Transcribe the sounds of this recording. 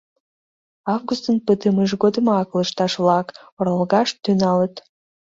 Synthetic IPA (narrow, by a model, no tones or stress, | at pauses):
ɑvɡust̪ənpət̪əməʒɣod̪əmɑkləʃt̪ɑʃβlɑkoɾɑəlɣɑʃt̪ːynɑlət̪